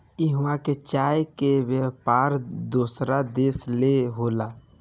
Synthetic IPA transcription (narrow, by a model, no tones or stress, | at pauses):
iɦmãket͡ʃaːjkeʋjəpaːɾd̪usɾad̪eːsleɦoːla